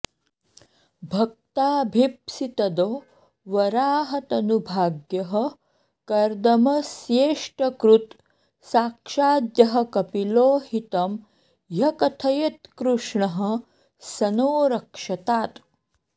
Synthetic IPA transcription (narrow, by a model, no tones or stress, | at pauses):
bʱɐk̚t̪aːbʱipsit̪ɐd̪oː | ʋɐɾaːɦɐt̪ɐnubʱaːɡjɐɦɐ | kɐɾd̪ɐmɐsjeːʂʈɐkɾut̪ | saːkʂaːd̪jɐɦɐ̆kɐpiloːhit̪ɐm | jɐkɐt̪ʰɐjɐt̪kɾuʂɳɐɦɐ̆ | sɐnoːɾɐkʂɐt̪aːt̪